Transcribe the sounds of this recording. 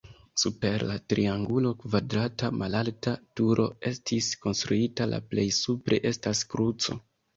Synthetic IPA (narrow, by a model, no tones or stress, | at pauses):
supe̞ɾlatɾiaŋɡulo̞kvadɾatamalaltatuɾʔo̞e̞stʰisko̞nstɾuitala̰ple̞jsupɾe̞̰ʔe̞staskɾut͡so̞